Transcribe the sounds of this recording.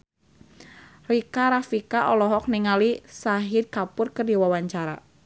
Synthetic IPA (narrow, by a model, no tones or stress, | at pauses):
rikaɾafikaʔɔlɔɦɔk̚niŋalisaɦɪd̪̚kapʊrkərdiwawaɲt͡ʃaɾa̰